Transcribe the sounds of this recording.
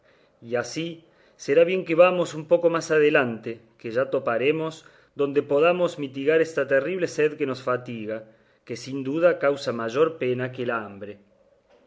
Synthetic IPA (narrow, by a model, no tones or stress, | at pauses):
iasi | seɾaβje̞ŋkeβamo̞sumpokomasað̞elant̪ekeʒat̪opaɾemoz | ðo̞nd̪epoð̞amozmit̪iɣaɾest̪at̪eriβleseðkenosfat̪iɣa | kesind̪uð̞akawsamaʒoɾpenakelambɾe